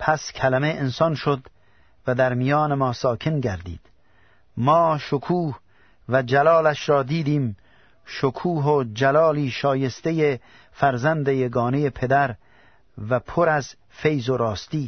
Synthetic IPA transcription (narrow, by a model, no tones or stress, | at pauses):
pʰæskʲʰælæmeʔensɒnʃod̪ | væd̪æɾmijɒːnemɒːsɒːkʰenɡæɾd̪ḭːd̪̥ | mɒːʃokʰuːh | væd͡ʒælɒːlæʃɾɒːd̪iːd̪iːm | ʃokʰuːɦod͡ʒælɒːliːʃɒːje̞st̪eje | fæɾzænd̪ejeɡɒːnejepʰe̞d̪æɾ | væpʰoɾæz | fe̞jzoɾɒːst̪iː